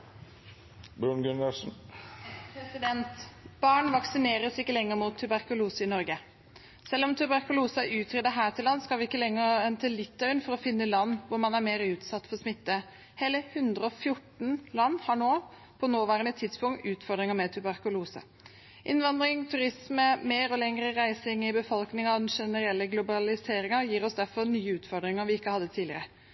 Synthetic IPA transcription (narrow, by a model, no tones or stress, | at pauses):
bɾʉnɡʉnəsn̩ | pʰɾɛsɪd̪ɛnt̪b̥ɑːɳʋɑksɪneːɾəsɪkːəlɛŋːəɾmuːt̪ʰːʉbæɾkʊluːsəɪnɔɾɡə | sɛlːɔmt̪ʰʉbæɾkʊluːsəʔʉːt̪ʰɾɛd̪əɦæːt̪ʰɪlɑnːskɑlʋɪɪkːəlɛŋːəɾɛnt̪ʰəlɪt̪ːœʏnfɔɾɔfɪnːəlɑnːʋʊɾmɑnæɾmeːɾəʉːt̪sɑt̪ːfɔɾsmɪt̪ːə | heːləhʉnd̪ɾəɔfjʊʈɳ̩lɑnːhɑɳoː | pʰɔnoːʋɑːɾənət̪ʰɪd̪spʰʊŋt̪ʉːt̪fɔɾd̪ɾɪŋəmɛt̪ʰʉbɑɾkʊluːsə̰ | ʔɪnʋɑnd̪ɾɪŋt̪ʰʉɾɪsməmeːɾɔlɛŋɾəɾæɪsɪŋɪbəfɔlknɪŋd̪ɛnʂɛnəɾɛlːəɡlʊbɑlɪseːɾɪŋɑjiːɾɔsd̪æɾfɔɾnyːəʉːt̪fɔd̪ɾɪŋəɾʋɪɪkːəhɑd̪ːət̪ʰiːlɪ̰ɾə